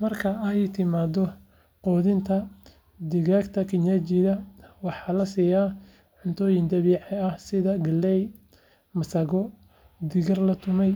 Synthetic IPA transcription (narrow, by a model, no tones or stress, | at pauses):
mɐrkʰɐɐjt̪ʰɪmaːd̪ɔ | qɔːðɪnt̪ʰɐ | d̪ɪɣaːɡt̪ʰɐkʰɪɲat͡ʃɪðɐwɑħɑːlɐsiːjaː | ʕʊnt̪ʰɔːjɪnd̪ɐβiʕɛɐhsɪðɐɡɐlːɛj | mɐsɐɣɔ | d̪ɪɣɐrlɐt̪ʰʊmɛj